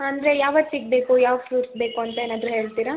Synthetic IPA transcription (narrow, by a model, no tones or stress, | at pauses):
ɐnd̪ɾejaːʋɐt̪ːsiɡbeːkujaːʋfjuːɾsbeːkuɐnt̪ɐeːnaːd̪ɾuɦeːɭt̪iːɾa